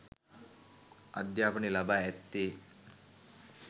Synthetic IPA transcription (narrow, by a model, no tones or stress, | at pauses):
ɐ̰d̪japɳilabaɛt̪ːe